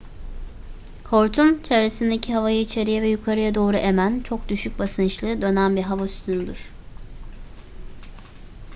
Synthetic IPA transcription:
kʰo̞ɾt̪ʰumt͡ʃʰevɾesind̪ecʰiɦavajɯit͡ʃʰe̞ɾijɛvɛjukʰaɾɯjad̪o̞ːɾuʔe̞mænt͡ʃʰo̞k̚d̪yʃyc̚basɯnt͡ʃlˠɯd̪ø̞nænbiɾɦavasy̥t̪ʰynyd̪iɾ̥

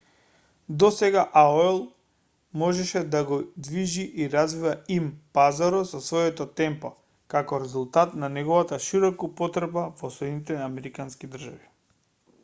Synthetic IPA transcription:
d̪ɔsɛɡaʔaoɛlˠ | mɔʒɛʃɛd̪aɡɔd̪viʒiʔiɾazvivaimpazaɾɔsɔsvɔjɛt̪ɔt̪ɛmpɔ | kakɔɾɛzulˠt̪at̪nanɛɡɔvat̪aʃiɾɔkuupɔt̪ɾɛbavɔsɛnit̪ɛamɛɾikanskid̪r̩ʒavi

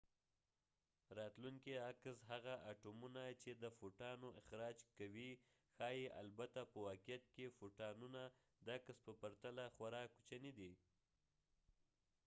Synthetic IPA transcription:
ɾɑt̪luŋkiaksɦaɣaʔaʈumunat͡ʃed̪əfoʈɑnoʔɪxɾɑd͡ʒkawi | xɑjeʔa̰lbat̪apəwɑkijat̪̚kefoʈɑnuna | d̪akəspəpaɾt̪alaxwaɾɑku̥t͡ʃaned̪i

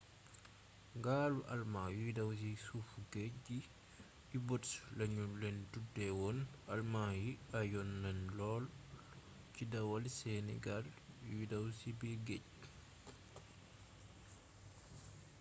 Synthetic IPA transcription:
ŋɡaːluʔɐ̰lmaːjuidɐws̬isufuɡecːi | jibɔtslɐɲulɛndudːɛwɔnɐlmajiɐjɔnːɐnlɔːl | cidɐwɐlsɛnɛ̰ɡaljujidɐwsibɛɡec̚

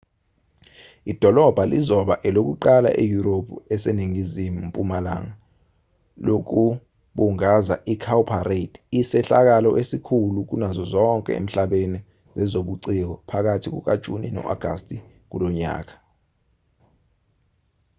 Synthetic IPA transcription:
id̥ʱɔlɔb̥ʱalizɔɓa̰ʔɛlok̬uǃala̰ʔejuɾopʰuɛseniŋizimupʼumala̰ŋa | lok̬u | ɓuŋaza̰ʔikʰawpʰaredʰisɛɬak̬alɔʔesikʰuluk̬unazɔzɔŋkʼɛ̰ḛm̩ɬaɓeni | zɛzoɓuǀik̬ɔpʰak̬atʰik̬ṵk̬ad̥ʒ̥ʱunḭnɔ̰ʔa̰ɡ̥ʱa̰stʼi | k̬ulɔɲa̰ːk̬ḁ

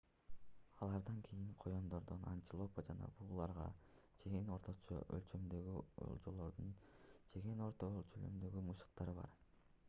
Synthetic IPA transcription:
ɑlˠɑɾd̪ɑŋkʰijiŋqʰo̞jo̞nd̪o̞ɾd̪ona̰nt̪ilˠo̞pad͡ʒɑnɑ̰buːlˠɑɾʁɑ̰ | t͡ʃʰeɡeno̞ɾt̪ʰot͡ʃo̰ʔø̰lt͡ʃø̞md̪øɡyo̰lˠd͡ʒolˠo̞ɾd̪unt͡ʃʰe̞ɡeno̞ɾt̪olt͡ʃʰølø̰md̪ø̞ɡymɯʃɯ̥qt̪ɑɾɯβɑ̰ɾ

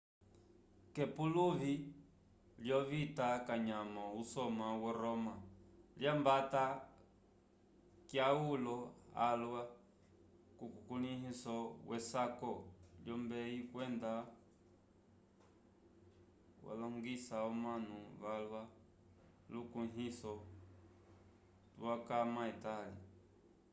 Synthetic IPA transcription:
kɛpuluvi | ljɔβitakaɲamɔusɔmawɛɾɔmaljambata | kjaulɔalwa | kukukuniɦisɔwʔɛsakɔljɔmbɛikwɛnda | wa̰lɔŋɡisaɔmanuβalwa | lukuɦisɔ | tuwakamaitala

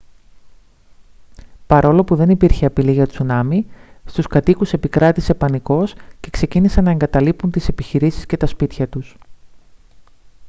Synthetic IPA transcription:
pɐɾo̞lo̞puðe̞nipiɾçeɐpiliʝɐt̪ou̥sunɐmist̪uskɐt̪ikuse̞pikɾɐt̪ise̞pɐniko̞sce̞kse̞cinisɐnɐe̞ŋɡɐt̪ɐlipunt̪ise̞piçiɾisi̥sce̞t̪ɐspit̪çɐt̪us

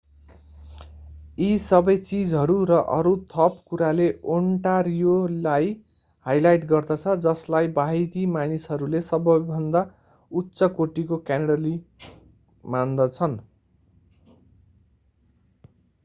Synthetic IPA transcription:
isʌbʌjt͡sid͡zɦʌɾuɾʌʔʌɾut̪ʰʌpkuɾaleoɳʈaɾijolaj | hajlajʈɡʌrd̪ʌt͡sʰʌd͡zʌslajbaɦid̪imanisɦʌɾulesʌbʌjbʱʌnd̪a | utːsʌkoʈikokjaneɽʌli | mand̪ʌt͡sʰʌn

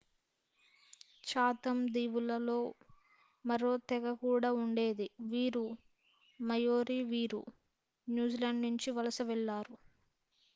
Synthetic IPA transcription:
t͡ʃaːt̪ɐmd̪iːʋulɐlo̞ː | mɐɾoːt̪ɛɡɐkuːɽaːuɳɖe̞ːd̪iʋiːɾu | mɐjoːɾiːʋiːɾṵ | njuːd͡ʒilɐɳɖnuɲt͡ʃiʋɐlɐsɐʋɛɭːaːɾu

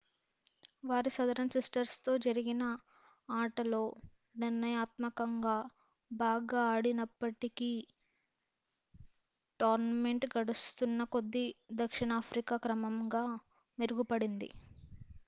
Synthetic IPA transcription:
ʋaːɾisɐd̪ɐɾɐnsisʈɐɾst̪o̞ːd͡ʒɐɾiɡinɐ | aːʈɐlo̞ː | niɾnɐjaːt̪mɐkɐŋɡaː | baːɡaːɽinɐpːɐʈikiː | ʈaːɾnɐme̞ɳʈɡɐɽust̪unːɐko̞d̪ːed̪ɐkʂiɳaːpʰɾikaːkɾɐmɐmɡaː | meɾuɡupɐɽind̪ḭ

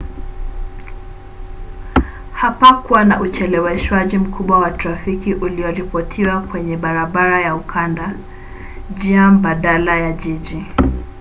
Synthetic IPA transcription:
hapakuwanaʔut͡ʃɛlɛwɛʃwaʄim̩kʰuɓwawatɾafikiʔuliɔɾipɔtʰiwakwɛɲɛɓaɾaɓaɾajaukʰanda | d͡ʒiam̩baɗalajaʄiʄi

